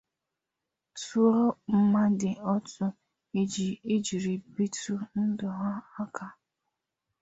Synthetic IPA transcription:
tu˦ɾɔ˦m̩˦ma˦dɪ˨ɔ˦tʊ˦ | e˦d͡ʒi˨e˦d͡ʒi˨ɾi˨bi˦tu˦n̩˦dɔ˨ɦa˦a˦ka˦

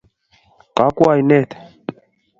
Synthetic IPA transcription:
ka˨˦kwa˦˨jnɛ˦˨t̪

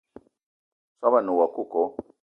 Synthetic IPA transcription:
sa˦βa˦˨nu˨wa˨ku˦˨kɔ˨

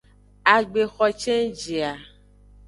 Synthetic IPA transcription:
a˨ɡ͡be˨xɔ˨t͡ʃe˦d͡ʒi˨a˨

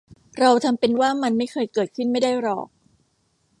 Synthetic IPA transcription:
ɾa˧wt̪ʰa˧mpe˧nwaː˥˩ma˧nma˥˩jkʰɤː˧jkɤː˨˩t̪̚kʰɯ˥˩nma˥˩jda˥˩jɾɔ̰ː˨˩k̚

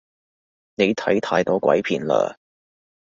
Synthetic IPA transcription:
ne˨˧jt̪ʰɐ˨˥jt̪ʰaː˧jt̪ɔː˨˥kwɐ̰˨˥jpʰiː˨˩nla̰ː˧

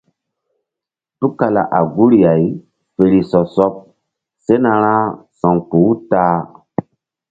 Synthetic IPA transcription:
tu˦ka˨la̰˨ʔa˨ɡu˦ɾja˨j | fe˨ɾi˨sɔ˨sɔ˦p̚ | se˦na˧ɾã˦sɔ̃˨ŋku˨˦taː˦

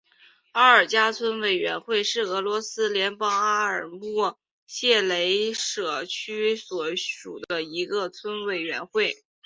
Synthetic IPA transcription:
a˥˩ə˞˨˩t͡ɕja˥t͡sʰwə˥nwe˨˩ɪɥɛ˧˥nxwe˥˧ɪʂɻ̩˥˩ɤ˧˥lwɔ˧˥sɹ̩˥ljɛ˧˥npɑ˥ŋa˥ə˞˨˩mu˥˩ | ɕjɛ˥˩le˧˥ɪʂɤ˨˩t͡ɕʰy˥swɔ˧˩ʂṵ˨˩d̪ə˦i˧˥ɡə˧t͡sʰwə˥nwe˨˩ɪɥɛ˧˥nxwe˥˩ɪ

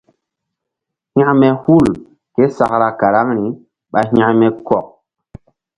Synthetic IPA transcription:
hĩ˦a˦ʔmɛ˨hu˦˨l | ke˦sa˨kɾa˨ka˨ɾa˦ŋɾi˨ | ɓa˨ɦã˦ʔmɛ˦kɔ˨k̚

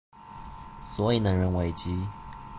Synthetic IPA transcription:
swɔ˧˥i˨˩nə˨˩ɻə˧˥nwe˧˥ɪt͡ɕi˦˥

